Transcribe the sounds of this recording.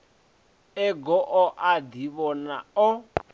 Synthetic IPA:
ɛɡɔʔɔʔad̪iβɔnaɔ

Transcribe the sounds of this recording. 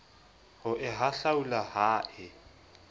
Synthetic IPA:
hʊʔɪɦaɬaulahaːʔɪ

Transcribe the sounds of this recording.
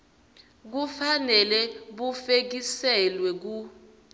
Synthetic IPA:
k̬ufanɛlɛɓufek̬isɛlwɛk̬u

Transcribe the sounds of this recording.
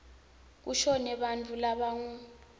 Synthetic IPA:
k̬uʃɔnɛɓant͡fʰʼulaɓaŋu

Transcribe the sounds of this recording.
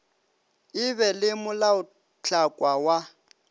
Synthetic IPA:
ɪbɛlɪmʊlaʊ | t͡ɬʰʼakʼwawa

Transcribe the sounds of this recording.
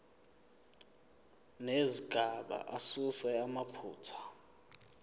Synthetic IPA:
neziɡʼʱaɓa̰ʔasusɛamapʰuːtʰḁ

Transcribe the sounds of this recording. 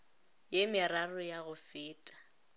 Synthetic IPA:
jemɪrarʊjaɣʊfɪːtʼḁ

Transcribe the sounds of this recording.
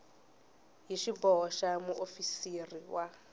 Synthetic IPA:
ɦiʃibɔʃamuʔofisiriwa

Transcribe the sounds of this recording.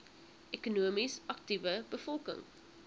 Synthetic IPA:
ekunuəmisɐk̚tivəbəfɔlˠkə̰ŋ

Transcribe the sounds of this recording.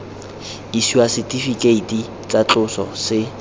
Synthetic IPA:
isiwasɪtʼifikʼeitʼi | t͡sʼat͡ɬʼʊsɔ̰sɪ

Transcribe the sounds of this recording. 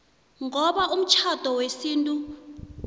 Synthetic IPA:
ŋɔɓaʔum̩t͡ʃʰad̥ʱɔwesiːntʼu

